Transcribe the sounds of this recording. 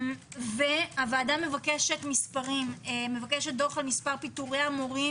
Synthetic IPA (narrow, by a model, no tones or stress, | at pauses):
veavaːdame̞vakeʃetmispaʁimemevakeʃet̚d̪oʁχalmispaʁpituʁeamoʁi